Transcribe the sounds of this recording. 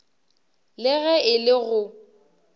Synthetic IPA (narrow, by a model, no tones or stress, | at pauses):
lɪɣɛɪlɪɣʊ